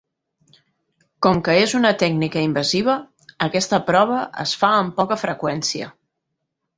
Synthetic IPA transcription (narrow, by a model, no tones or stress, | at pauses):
kɔmkəezunət̪ɛɡnikəimbəziβ̞əː | kɛst̪əpɾɔβ̞əʔə̰sfaəmpɔkəfɾəkwɛnsiə̰